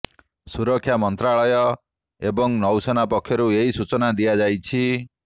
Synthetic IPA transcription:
suɾɔkʰːjamɔnt̪ɾaɭɔjɔ | ebɔŋnɔwsɔnapɔkʰːjɔɾueɦisut͡ʃɔnad̪ijad͡ʒajt͡ʃʰi

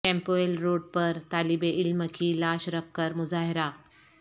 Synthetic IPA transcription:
kɛ̃mpoelɾoːɖ̚pəɾt̪alibeʔɪlməkʰiːlaːɕɾəp̚kəɾmʊzaːɦiɾa

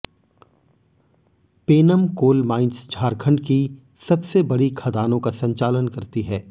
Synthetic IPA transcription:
peːnəmkoːlmaːɪ̃nsd͡ʒʱaːɾkʰəɳɖki | sɐbsebɐɽikʰɐd̪aːnõkasɐ̃ɲt͡ʃaːlənkɐɾt̪iɦɛː

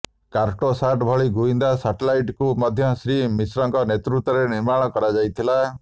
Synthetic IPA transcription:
kaɾʈosaʈbʱɔɭiɡuind̪asaʈelajʈkumɔd̪ʱjɔsɾimisɾɔŋkɔnet̪ɾut̪ːɔɾeniɾmãɔkɔɾad͡ʒajt̪ʰila

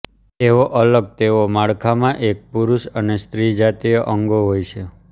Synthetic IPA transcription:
eʋoʔələɡ̚t̪eʋomaɭkʰamãʔek̚puɾuʃənest̪ɾid͡ʒat̪ijəʔəŋɡoɦojt͡ʃʰe

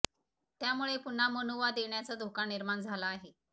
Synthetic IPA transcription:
t̪jamuɭepun̤amənoʋad̪eɳjat͡sad̪ʱokaniɾmaɳd͡zʱalaːɦe

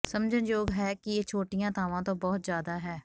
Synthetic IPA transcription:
səmd͡ʒə̃nd͡ʒoːɡɦɛːkɪjeːt͡ʃʰoːʈɪjãːt̪ʰaːʋãːt̪õːbɔːt̪zjaːd̪aːɦɛː

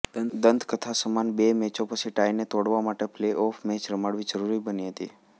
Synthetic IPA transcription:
d̪ənd̪kət̪ʰasəmanbemɛt͡ʃopət͡ʃʰiʈainet̪oɽʋamaʈepleʔɔfʰmet͡ʃɾəmaɽʋid͡ʒəɾuɾibəniɦət̪i

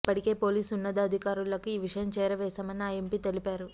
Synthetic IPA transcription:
ipːɐʈike̞ːpo̞ːliːsunːɐd̪ɐɐd̪ʱikaːɾulːɐkuiːʋiʂɐjɐmt͡ʃɛːɾɐʋɛːsɐmɐniaːjempiːt̪e̞lipaːɾu

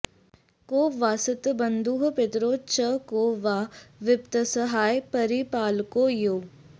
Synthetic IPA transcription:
koːʋaːsɪt̪bɐnd̪uːɦpɪt̪ɾoːt͡ʃəkoːʋaːʋɪpt̪əsəɦaːjpɐɾipaːlkoːjoː

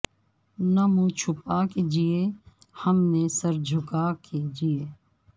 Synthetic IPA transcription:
nəmũːt͡ʃʰʊpaːked͡ʒieː | həmneːsəɾd͡ʒʱʊkaːkʰed͡ʒieː

